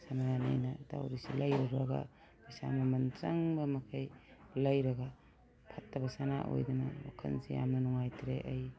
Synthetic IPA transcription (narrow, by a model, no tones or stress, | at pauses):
sananḭjnɐta̰wɾisilɐjɾɐɾɐɡɐ̰ | bisa̰mɐmɐnt͡ʃɐŋbɐmɐkʰɐjlɐjɾɐɡɐ | pʰɐtːɐbɐsana̰ʔo̰jdɐnɐ̰ma̰kʰɐ̰nsija̰mnɐnɔŋajtʰɾeʔɐj